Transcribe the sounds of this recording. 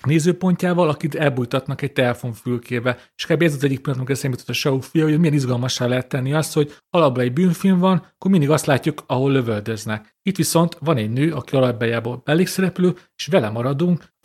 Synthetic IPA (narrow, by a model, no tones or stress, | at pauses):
neːzøːpo̞ɲcaːvɒlɒkid̪ɛlbuːjt̪ɒt̪nɒkɛc̚t̪ɛlɛfo̞ɱfylkʰeːvɛleʃi̥kaːbiɛzzɛɟːikpilɒnomikɛsaːmit̪ot̪ːɒʃɒufujɒojomijɛnizɡɒlmɒʃːaːlɛɦɛt̪ːɛnːiɒst̪ho̞ɟ | ɒlɒblɛɟbyːnfilɱvɒnɒkːormind̪iɡɒst̪laːcːukɒɦo̞lːøvøld̪øznɛk | it̪ʋiso̞nt̪ʋɒnɛɟnøːɒkiɒlɒbbɛjaːboːlbɛlːeːksɛɾɛpløːeːʃʋɛlɛmɒɾɒd̪uŋk